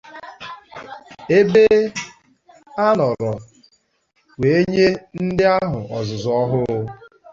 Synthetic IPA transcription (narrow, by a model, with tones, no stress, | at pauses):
e˦be˦ | a˦nɔ˨ɾɔ˨ | we˨e˦ɲe˦n̩˦dɪ˦a˦ɦʊ˨ʔɔ˨zʊ˨zɔ˨ɔ˦ɦʊ˦ʊ˦